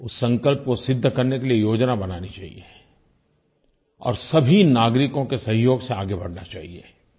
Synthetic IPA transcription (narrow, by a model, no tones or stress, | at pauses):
ʊsːɐ̃ŋkəlp̚kosɪd̪ʱːkɐɾnekeliejoːd͡ʒnabɐnaːnit͡ʃaːɦḭe | ɔ̰ːɾsɐbʱinaːɡɾɪkõkesɐ̃ɦɪjoːɡseaːɡebɐɽnat͡ʃaːɦieː